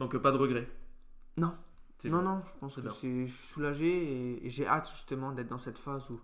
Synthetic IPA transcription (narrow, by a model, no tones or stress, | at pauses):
d̪ɔ̃kpad̪əʁəɡʁɛ | nɔ̃ | nɔ̃nɔ̃ʒəpɑ̃səsɛʒisulaʒeḛʒeʔat̪ʒyst̪əmɑ̃d̪ɛt̪χd̪ɑ̃sɛt̪fazu